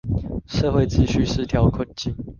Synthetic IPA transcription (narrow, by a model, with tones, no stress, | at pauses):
ʂɤ˥˧xwe˥˨ɪt͡ɕ̩˥˧ɕy˥˨ʂ̩˥t̪ʰjɑ˨˥ʊkʰwə˥˨nt͡ɕi˥˩ŋ